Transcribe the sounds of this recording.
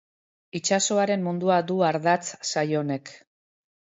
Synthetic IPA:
it͡ʃaso̞aɾe̞mːund̪uad̪uaɾðat͡ssajo̞ne̞k

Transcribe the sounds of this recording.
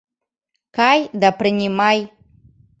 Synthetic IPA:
kajd̪apɾɨnʲimaj

